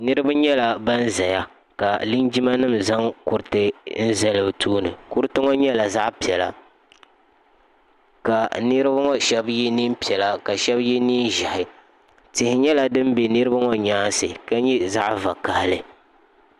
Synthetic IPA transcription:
nɨ˦ɾɨ˦ba˦ɲɛ˦la˨ba˦n˦za˨ja˦ | ka˨li˦nd͡ʒi˦ma˦nɨ˦m̩za˦ŋkʊ˨ɾtɨ˦n̩˦zɛ˦lɨ˨tʰuː˦nɨ˨ku˦ɾɨ˦tɨ˦ŋɔ˦ɲɛ˦la˨za˦ʔpi˨ɛ˨la̰˨ | ka˨nɨ˦ɾbŋɔ˦ʃɛ˦bji˦ni˦m˦pi˨ɛ˨la˨ka˨ʃɛ˦bji˦niː˦nʒa˨hɪ˨ | tɪ˨hɪ˨ɲɛ˦la˨dɨ˦m˦be˨nɨ˦ɾɨ˦ba˦ŋɔ˦ɲaː˦nsɨ̰˨ka˦ɲɛ˦za˦ʔva˨ka˨hɪ˦˨lɨ˦

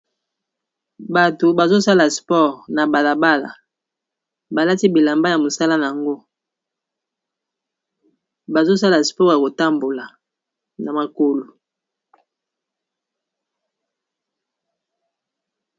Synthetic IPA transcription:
ba˨to˨ba˨zo˦sa˦la˨spɔ˦˨ʁna˨ba˨la˨ba˦la̰˨ | ba˨la˦ti˦bi˨la˨mba˦ja˨mo˨sa˦la˦na˨a˨ŋɡo˦ | ba˨zo˦sa˦la˨spɔ˦˨ja˨ko˨ta˦mbo˨la˨ | na˨ma˨ko˨lo˨

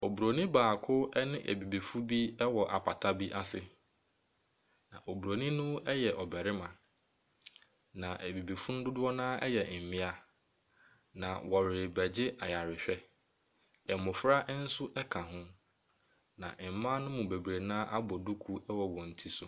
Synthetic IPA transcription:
o˨bu˨ɾo˨nĩ˦baː˨kʰʊ˦ɛ˦nɪ̃˦ʔæ̰˨bi˨bi˨fu˦bi˦ɛ˦wɔ˨ʔa̰˨pʰa˨tʰa˦bi˦ʔa˦sɪ˨ | nã̰˨ʔo˨bu˨ɾo˨nĩ˦nʊ̃˦ɛ˦jɛ˨ʔɔ˨bɛ˨ɾɪ˦mã˨ | nã˨ʔæ˨bi˨bi˨fu˦nʊ̃˦dʊ˦dʊ˦ɔ˦nãː˦ʔɛ˦jɛ˨m̩˨mɪ̃˦a˨ | nã̰˨wɔ˨ɾɪ˨bæ˨d͡ʑɪ˦ʔa˨ja˨ɾɪ˨ɕᶣɛ˦ | ɛ˨mʊ̃˨fɾa˦ʔn̩˦sʊ˦ʔɛ˦kʰã˨ɦʊ̃˦ | nã̰˨ʔ̩˨mã˦nʊ̃˦mũ˨be˨bɾe˨nãː˦ʔa˦bɔ˨du˦kʰu˦ɛ˦wɔ˨wɔ̃˨n̩˨tʰi˦sʊ˨

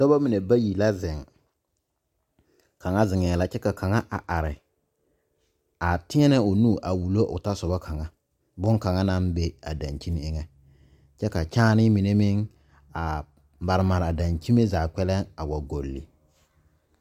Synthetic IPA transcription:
d̥ɔ˦ba˦mɪ˨ne˨ba˦ji˨la˦zɪ˨ŋ | kʰa˨ŋa˦zɪ˨ŋɛ˨la˦t͡ʃɛ˦ka˨ka˨ŋa˦ʔa˨ʔa˨ɾɪ˨ | a˨tɪ˦ɛ˦nɛ˦o˨nuː˦˨ʔa˨wu˨lo˦ʔʊ̰˨ta˦sɔ˨ba˦kʰa˨ŋa˦ | bʊ˦ŋka˨ŋa˦na˦mbe˦a˨da˨nt͡ʃi˦n˦ɪ˦ŋɛ˦ | t͡ʃɛ˦ka˨t͡ʃaː˦nɪ˦mɪ˨ne˦mɪ˦ŋ | a˨ | ba˨ɾɪ˨ma˨ɾa˨da˨nt͡ʃi˦me˦zaː˨k͡pɛ˦lɛ˦ŋa˨wa˨ɡo˨lːḭ˨

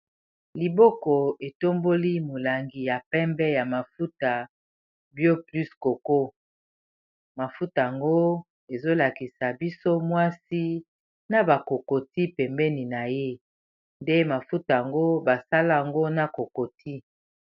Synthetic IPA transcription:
li˨bɔ˦kɔ˨e˨to˦mbo˦li˦mo˨la˨ŋɡi˨ja˨pɛ˦mbɛ˦ja˨ma˨fu˦ta˨ | bjo˦ply˦sko˨ko˦ | ma˨fu˦ta˨a˨ŋɡo˦ | e˨zo˦la˨ki˨sa˨bi˦so˦mwa˦si˦ | na˨ba˨ko˨ko˨ti˦pɛ˨mbɛ˦ni˨na˨je˦ | nde˦ma˨fu˦ta˨a˨ŋɡo˦ba˨sa˦la˦˨a˨ŋɡo˦na˦ko˨ko˨tʰi˦

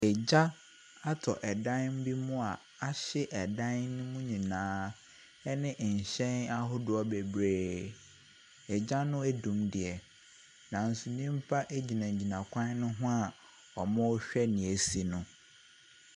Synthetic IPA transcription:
ɛ˨d͡ʑa˦ | a˦tʰɔ˨ʔɛ˨dã˦nm̩˦bi˦mʊ̃˦a˨ | a˦ɕɪ˦ʔɛ˨dã˦nnʊ̃˦mʊ̃˦ɲĩ˨nãː˦ | ɛ˦nɪ̃˦ʔɲ̩˨ɕɛ̃˦na˦ɦʊ˦dʊ˦ɔ˦be˨bɾeː˦ | ɛ˨d͡ʑa˦nʊ̃˦æ˦dũ˨mdɪ˨ɛ˨ | nã˨n̩˨su˨nĩ˦m̩˦pʰa˦ʔe˦d͡ʑi˨nã˨d͡ʑi˨nã˨kʷʰã˦n˦nʊ̃˦ɦʊ̃˦a˨ | ɔ˨mã˦ɕᶣɛ˦nĩ˨e˨si˨nʊ̃˨

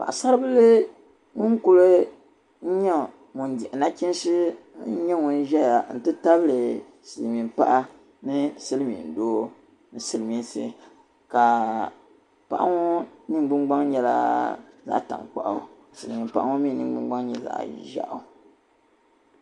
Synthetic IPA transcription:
pa̰˨ʔsa˦ɾɨ˦bɨ˦lɨ˦ | ŋʊ˦n˦ku˦lɨ˦ | n̩˦ɲɛ˦ | mu˨ndɛ˨ʔna˦t͡ʃi˦n˦sɨ˦ | ɲɛ˦ŋʊ˦n˦ʒɛ˦ja˨n̩˨tɨ˦ta˦bɨ˦lɨ˨ | sɨ˨lmi˨mpa̰˦ʔa˦ | nɨ˦sɨ˦lmḭ˨ndoː˦ | nɨ˨sɨ˦lɨ˨mi˨˦nsɨ̰˨ | ka˨ | pa̰˨ʔa̰˦ŋɔ˦nɨ˦ŋ˦ɡ͡bɨ˦ŋ͡mɡ͡ba˦ŋɲɛ˨la̰˦˨za̰˦ʔta̰˨ŋk͡pa̰˨ʔa̰˨ | sɨ˨lmi˨mpa̰˦ʔa˦ŋɔ˦mi˦nɨ˨ŋ˦ɡ͡bɨ˦ŋ͡mɡ͡ba˦ŋɲɛ˦za̰˨ʔʒa̰˦ʔʊ˨˦˨

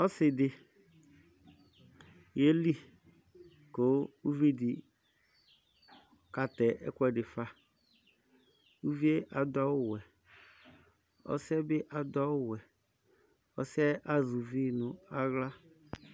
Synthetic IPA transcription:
ɔ˦sɪ˨dɪ˨ | je˦li˦ | ko˨˦u˦ve˦di˨ | ka˨tɛ˨ʔɛ̰˦kʷɛ˦dɪ˨fa˦ | u˦vi˦e˦ʔa˨dɔ˦wɛ˨ | ɔ̰˦sɛ˦bɪ˦ʔa˨dɔ˦wɛ˨ | ɔ˦sɛ˦ʔa˦zu˨vi˦nʊ˨a˦ɣla˦

